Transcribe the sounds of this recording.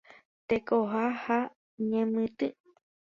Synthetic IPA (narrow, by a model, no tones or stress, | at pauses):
t̪ekoɦaha | ɲẽmɨ̃t̪ɨ